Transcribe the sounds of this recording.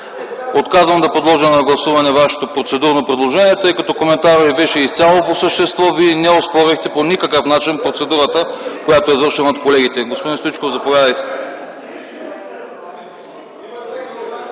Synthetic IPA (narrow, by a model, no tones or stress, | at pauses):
ot̪kazvəmd̪ɐpod̪lˠɔʒənɐɡlˠɐsuvɐnɛvaʃi̥t̪opɾot̪sɛd̪uɾnopɾɛd̪lˠoʒɛniɛt̪ɤjkɐt̪ɔkomɛnt̪aɾovibɛʃɛist̪sʲalˠoposəʃt̪ɛst̪vɔviɛnɛospɔɾixt̪ɛponikəkɤfnat͡ʃinpɾot̪sɛd̪uɾət̪əkojat̪oɛzvɤɾʃɛnɐot̪̚kolɛɡ̟it̪ɛɡospod̪inst̪it͡ʃkovzɐpovʲjad̪əjt̪ɛ